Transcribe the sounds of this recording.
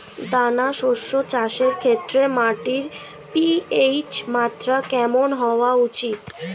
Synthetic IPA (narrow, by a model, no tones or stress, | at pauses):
d̪anaʃoʃot͡ɕaʃeɾkʰet̪ːɾemaʈiɾ | piejt͡ɕmat̪ɾakɛmonɦɔoaut͡ɕit̪